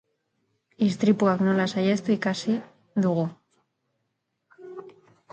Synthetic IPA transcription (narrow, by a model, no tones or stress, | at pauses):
ist̪ɾipuaknolasajest̪oikasi | d̪uɣo